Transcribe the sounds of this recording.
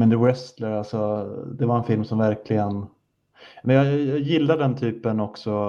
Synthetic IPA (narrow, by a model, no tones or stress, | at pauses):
mɛnd̪əwɛst̪ləɾalsɔd̪ɛvaɾɛnfɪlmsɔmvæɾklɪɡən | mɛnjɑjɑːjɪlːad̪ɛnt̪ʰyːpənɔksɔ